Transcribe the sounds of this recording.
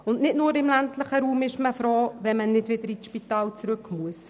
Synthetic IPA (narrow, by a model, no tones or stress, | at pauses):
ʊnnɪtnʊːɾɪmlæntləχəɾuːmɪʃməfɾoːʋɛnmənɪdʋɪd̪əɾisʃpit̪ɑːlt͡sɾʏkmuəs